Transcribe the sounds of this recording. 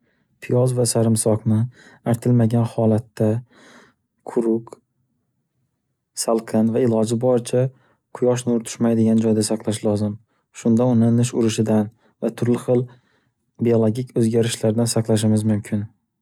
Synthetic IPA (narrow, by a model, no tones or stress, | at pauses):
pʰɪjɒzvasaɾɪmsɒqnɪaɾt̪ʰɪlmaɡʲanhɒlat̪ːa | qʰʊɾʊk | salˠqʰɨnvaɪlˠɒd͡ʒɪbɒɾɪt͡ʃʰa | qʰʊjɒʃ̬nʊɾt̪ʰʊ̥ʃmajd̪ɪɡʲand͡ʒɒjd̪asaqlˠaʃlˠɒzɪm | ʃʊnd̪aʊnɪnɪʃʊɾɪʃɪd̪an | vat̪ʰʊɾlɪχɨlˠ | biolˠoɡʲikʲɵzɡʲaɾɪʃlaɾd̪ansaqlˠaʃ̬ɪmɪzmʊmkʲʰɪn